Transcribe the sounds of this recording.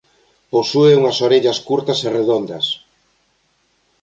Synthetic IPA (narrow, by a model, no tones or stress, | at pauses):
posueuŋɐsoɾeʎɐskuɾt̪ɐsereðond̪ɐs